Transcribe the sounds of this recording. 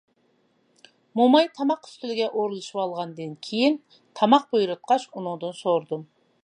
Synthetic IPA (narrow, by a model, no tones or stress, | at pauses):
momɑjt̪ʰɑmɑqʏ̥st̪ɪlɪɡʲɛʔoɾlˠɨʃɨpɑlˠʁɑnd̪ɨnkʲʰejɪn | t̪ʰɑmɑq̚bojɾʊt̪̚qɑʃʊnʊŋd̪ɨnsoɾd̪ɨm